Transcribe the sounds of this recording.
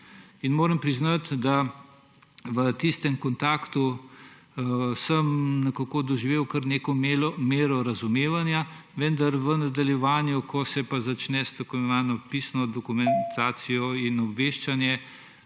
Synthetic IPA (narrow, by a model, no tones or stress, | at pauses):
inmoːɾəmpɾiznat̪d̪a | ʋət̪ist̪ɛmkɔnt̪aːkt̪u | səmnɛkakod̪ɔʒiʋeːwkəɾneːkɔmeːɾɔɾɐzumeːʋanjaʋɛnd̪aɾʋənad̪aljɛʋaːnjukʰɔsɛpazat͡ʃnɛst̪okonʋaːnɔpisnɔd̪ɔkumɛnt̪ʰaːsijɔinɔbʋeːʃt͡ʃanjɛ